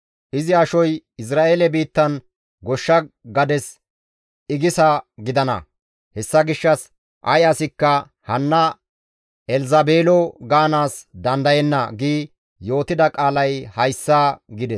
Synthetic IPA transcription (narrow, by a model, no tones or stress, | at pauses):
ʔɪzɪɐʃɔjɪs̬ɾaːʔeːlɛbiːt̪ːɐn | ɡɔʃːɐɡɐd̪ɛs | ɪɡɪsɐɡɪd̪ɐnɐ̰ | hɛsːɐɡɪʃːɐs | ʔɐ̰jaːsɪkːɐ | hɐnːɐ | ɛlzɐbeːlɔɡaːnaːsd̪ɐnd̪ɐjɛnːɐɡiː | jo̞ːt̪ɪd̪ɐkʼaːlɐjhɐjsːaːɡɪd̪ɛs